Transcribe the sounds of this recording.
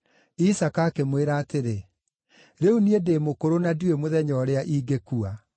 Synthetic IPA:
isakakemweɾaːteɾe | ɾeuniedemokoɾonaduemoðɛɲɔɾeaʔiːɡekua

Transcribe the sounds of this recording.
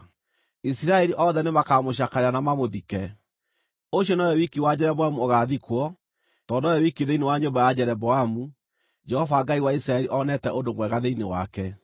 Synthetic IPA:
isiɾaɛɾiʔɔðɛnemakamoɕ̬akaɾeɾanamamoðikɛ | oɕjɔnajɔwikiwad͡ʑɛɾɛbɔamuoɣaːðikwɔ | tɔdɔjɔwikiðeinewaɲombajad͡ʑɛɾɛbɔamu | d͡ʒɛhɔvaːɡaiwaisiɾaɛɾiʔɔnɛtɛʔondomwɛɣaðeinewakɛ

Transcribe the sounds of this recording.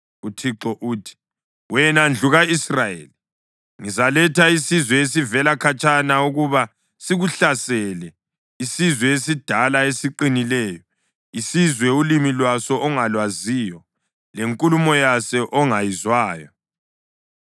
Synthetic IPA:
utʰiǁɔʔuːtʰi̥ | wɛnand͡ɮʱuɣaisrajḛːli | ŋizalɛtʰaisizwɛes̬ivɛlakʰat͡ʃʼanauɣuβa | siɣuɬasɛlɛ | isizwɛes̬id̥ʱalaesiǃinilɛːjɔ | isizwɛulimilwasɔʔɔŋalwaziːjɔ | leŋkʼulumɔjasɛʔɔŋajizwaːjɔ

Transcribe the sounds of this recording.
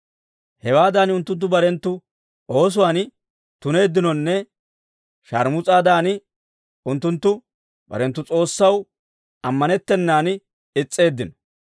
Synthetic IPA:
hɛwaːd̪aːnʊnt̪ːʊnt̪̬ːʊbɐɾɛnt̪ːʊ | o̞ːs̬ʊwaːn | t̪ʊne̞ːd̪ːɪnɔnːɛ | ʃɐɾmʊt͡sʼaːd̪aːn | ʊnt̪ːʊnt̪ːʊ | bɐ̰ɾɛnt̪ːʊt͡sʼo̞ːsːɐw | ɐmːɐnɛt̪ːɛnːaːn | ɪt͡sʼːe̞ːd̪ːɪnɔ̥

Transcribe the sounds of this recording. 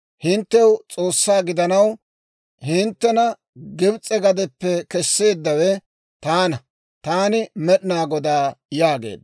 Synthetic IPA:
hɪnt̪ːɛwt͡sʼoːsːaːɡɪd̪ɐnɐw | hɪnt̪ːɛnɐ | ɡɪbt͡sʼɛɡɐd̪ɛpːɛkɛsːe̞ːd̪ːɐwɛ | t̪aːnɐ | t̪aːnɪmɛɗɪnaːɡɔd̪aːjaːɡḛːd̪

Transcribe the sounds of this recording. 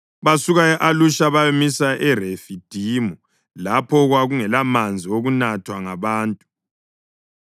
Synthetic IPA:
βasuɣajɛʔaluʃaβamisaʔɛrefid̥ʱimu | lapʰɔɣwaɣuŋɛlamand͡zʱioɣunatʰwaŋaβaːntʼu̥

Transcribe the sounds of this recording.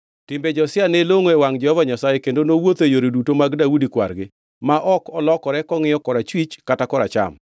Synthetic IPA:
tɪmbed͡ʒɔsɪaneloŋoewaŋd͡ʒɛhɔvaɲasajekendonowot̪ejoɾedutomaɡdaudikwa̰ɾɡɪ | maʔɔkɔlɔkɔɾɛkɔŋɪjɔkɔɾat͡ʃwit͡ʃkatakɔɾa̰t͡ʃa̰m

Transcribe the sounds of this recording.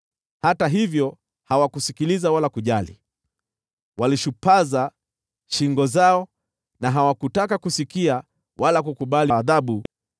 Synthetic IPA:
hataɦivjɔ | hawakusikilizawalakuʄalḭ | waliʃupaza | ʃiŋɡɔzaɔ | naɦawakutakakusikia | walak̬ukuɓaliːðaɓu

